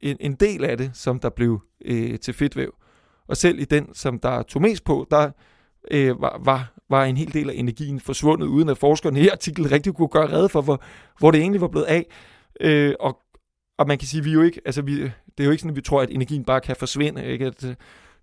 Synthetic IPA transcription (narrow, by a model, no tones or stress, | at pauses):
ʔenʔe̝nd̥e̝̰ːlæd̥e̝sɒ̽md̥ɑ̈b̥le̝ʊ | ʔøt͡sʰe̝fe̝d̥ʋḛʊ | ʔɒ̽sel̰ʔid̥ensɒ̽md̥ɑ̈t͡sʰo̝me̝̰ːsd̥̚pʰɔ̽d̥ɑ̈ | øʋɑ̰ʋɑ̈ʋɑ̈e̝nɦe̝̰ːld̥e̝̰ːlæʔe̝næɐɡ̥ḭːn̩fɒ̽sʋɔ̽n̰ð̞̩ˠuːð̞ˠnæ̥fɒːsɡ̥ɐniɑ̈t͡sʰiɡ̥ln̩ʁɛɡ̥̚d̥ikʰuɡ̥ɶːɐʁɛð̞ˠfɒ̽ʋɒ | ʋɒɾ̥e̝e̝̰ːnliʋɑ̈b̥le̝ːð̩ˠɛ̰ | øɒ̽ | ɒ̽mænkʰæsiːʋijo̝e̝ɡ̥əʔælsəʋid̥e̝æjoe̝ɡ̥sɒnmʋit͡sʰʁo̝ɐ̰æde̝næɐɡḭːn̩b̥ɑ̈ːkʰæfɒ̽sʋe̝n̰əe̝ɡ̥əæd̥